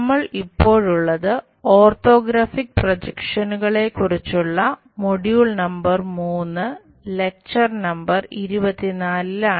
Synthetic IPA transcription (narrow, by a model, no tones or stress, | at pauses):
mːɐɭipːo̞ːɻuɭːɐðɨ | o̞ːrt̪o̞ːɡɾaːfik̚prod͡ʑɐkʂɐnuɣɐɭe̞kurit͡ɕːuɭːɐ | moɽjuːɭnɐmbɐrmuːnːɨ | le̞k̚t͡ɕɐrnɐmbɐriɾubɐt̪ːinaːllaː